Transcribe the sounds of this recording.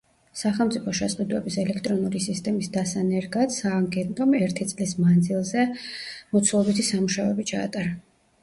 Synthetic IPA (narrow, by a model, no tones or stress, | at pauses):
saχɛlˠmt̪sʼipʰɔʃɛsʼqʼid̪wɛbisɛlɛkʰt̪ʼɾɔnuɾisist̪ʼɛmisd̪asanɛɾɡad̪saːŋɡɛnt̪ʼɔmɛɾt̪ʰit̪sʼlismand̪zilˠzɛmɔt̪sʰlˠɔbit̪ʰisamuʃavɛbit͡ʃʰa̰ːt̪ʼaɾa